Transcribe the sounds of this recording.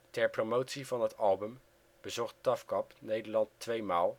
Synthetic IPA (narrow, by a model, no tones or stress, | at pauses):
tɛɹpromowtsivɑnɦətɑlˠbɵm | b̥əzɔχt̚tɑfkɑpnejdəɹlɑntːʋejmaːlˠ